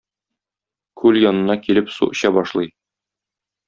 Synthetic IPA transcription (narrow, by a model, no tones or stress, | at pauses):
kʰʉljɒnɤ̆nɑkilɘpsṵʔ̆ɕɑbɒʃlˠɤj